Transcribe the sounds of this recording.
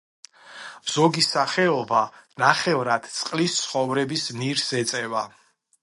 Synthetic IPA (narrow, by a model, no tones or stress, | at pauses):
z̥ɔɡisaχɛɔbanaχɛvɾad̪̥t̪sʼqʼlist̪sʰχɔvɾɛbisniɾsɛt̪sʼɛva